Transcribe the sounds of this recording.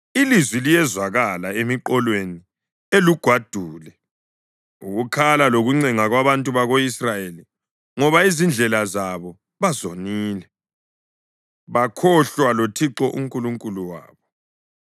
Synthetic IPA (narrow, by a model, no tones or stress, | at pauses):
ilizwilijɛzwaɣalaemiǃɔlweni | eluɡ̥ʱwad̥ʱuːlɛ | uɣukʰalaloɣuŋ͡ǀɛŋaɣwaβantʼuβaɣoisrajeli | ŋɔβaizind͡ɮʱɛlazaβɔ | βazoniːlɛ | βakʰɔɬwalotʰiǁɔʔuŋkʼuluŋkʼuluwa̰ːβɔ